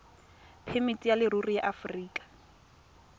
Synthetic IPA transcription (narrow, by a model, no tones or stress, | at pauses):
pʰemitʼijalɪrurijaʔafriːkʼḁ